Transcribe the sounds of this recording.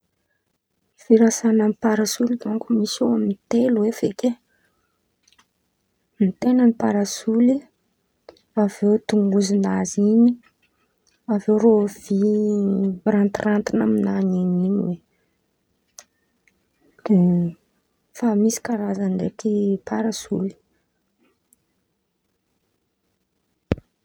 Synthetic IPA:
fiɾasanamipaɾasulid̪uŋkumisoaminit̪eluwefeke | nit̪enənipaɾasuli | avewt̪uŋɡuzinaziɲi | aveɾovi | rant̪rant̪inaminanininiwe | d̪̥e | famisi̥kaɾazand̪ekipʰaɾasuli̥

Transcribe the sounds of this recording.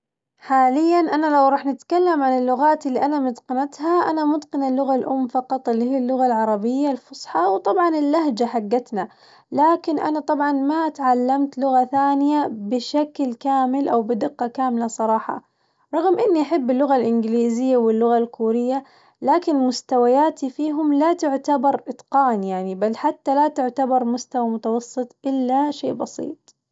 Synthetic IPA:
ħaːlɪjːanʔanalawɾˤɑːħnɪt̪kalːamʕanɪlːʊɣaːt̪ɪlːiʔanamɪd̪qɪnat̪ɦaʔanamʊd̪qɪnalːʊɣalʔʊmːfɑqɑt̪ˤɪlːihiːalːʊɣalʕɑɾˤɑbɪjːalfʊsˤħɑwt̪ˤɑbʕɑnɪlːaɦd͡ʒaħaɡːat̪na | laːkɪnʔa̰nat̪ˤɑbʕɑnmat̪ʕalːamt̪lʊɣaθaːnɪjabɪʃaklkaːmɪlʔawbɪd̪ɪqːɑkaːmɪlasˤɑɾˤɑːħɑ̰ | ɾˤɑɣmʔɪnːiʔaħɪbːɪlːʊɣalʔɪnɡɪliːzɪjːawɪlːʊɣalkuːɾɪjːa | laːkɪnmʊst̪awajaːt̪ifiːɦʊmlat̪ʊʕt̪abɑɾˤʔɪt̪ˤqɑːnjaʕnibalːħat̪ːalat̪ʊʕt̪abɑɾˤmʊst̪awamʊt̪awɑsˤːɨt̪ˤʔɪlːaʃḛːʔbɑsˤḭːt̪ˤ

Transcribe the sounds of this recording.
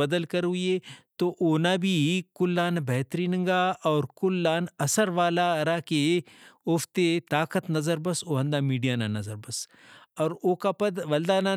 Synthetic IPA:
ɐd̪əlkɐɾɦʊiet̪oʔoːnabʱikʊlːaːnbʱɛɦt̪ɾiːnə̃ŋɡaɔːɾkʊlːaːnɐsəɾʋaːlaɾakeoft̪et̪aːkət̪nɐzəɾbɐsoːɦɐ̃nd̪aːmiːɖijaːnanɐzəɾbɐsɔːɾoːkapɐd̪ʋɐld̪aːna

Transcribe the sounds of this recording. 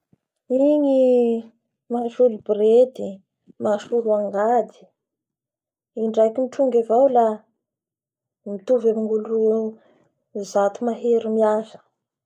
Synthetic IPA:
iŋi | maʃulubred̪i | maʃuluaŋɡad̪i̥ | iɳɖ͡ʐajkiniʈ͡ʂuŋɡavawla | mit̪uvamiŋɡuluru | zat̪umaɦeɾimiazə̥

